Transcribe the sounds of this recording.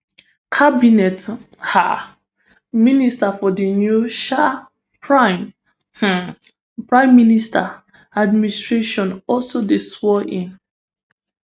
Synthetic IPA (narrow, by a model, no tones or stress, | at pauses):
kʰabinɛt | ha̰ | ministafɔdinjuʃa | pʰɹaɪ̃m̩ | pɹãɪ̃mːinista | admĩnistɹeʃɔ̃nɔlsodeswɔʔĩn